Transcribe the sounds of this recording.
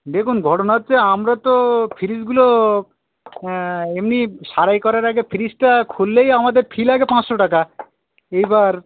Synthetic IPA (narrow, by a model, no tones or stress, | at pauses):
d̪ekʰunɡʱɔʈonat͡ɕeamɾat̪ofʰiɾisɡulo | emniʃaɾajkɔɾaɾaɡefʰiɾisʈakʰulːejamad̪eɾpʰilaɡepãt͡sʃoʈaka | ejbaɾ